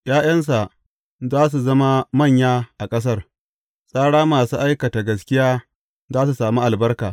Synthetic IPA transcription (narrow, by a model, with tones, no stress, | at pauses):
jaː˦j̰ɐ˦ns̬a˨ʔ | zaː˦s̬u˨zɐ˦ma˦mɐ˦˨ɲjaː˦ʔa˨kʼɐ˦s̬ɐ˦r | sʼaː˦ɽaː˦maː˨suː˦ʔa˦jkɐ˨ta˨ɡɐ˨skʲɪ˦jaː˦ | zaː˦s̬u˨saː˨mu˦ʔa˨lbɐ˦rkaː˨